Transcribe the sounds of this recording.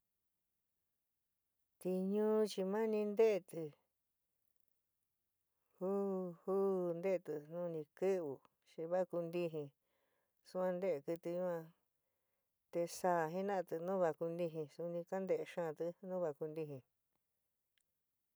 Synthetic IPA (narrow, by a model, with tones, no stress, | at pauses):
t̪i˧ɲũ˦t͡ʃi˧mã˦nĩ˧nd̪e˦ʔt̪ɨ˧ | hu˦hu˦˨nd̪e˦˧t̪ɨ˧nũ˦˧nĩ˧kɨ˦βu˨ | t͡ʃi˧βa˦˧ku˧nd̪i˦ɦĩ˧ | su˧ã˧nd̪e˦ʔe˧kɨ˧t̪i˧ɲũ˦ã˧ | t̪e˧saː˦˧˨ɦĩ˦nã˦˧t̪ɨ˧nũ˦βa˧ku˧nd̪i˧ɦĩ˧su˧nĩ˧ka˦nd̪e˧ʔʃã˦˨t̪ɨ˧nũː˦βa˧ku˧nd̪i˧ɦĩ˧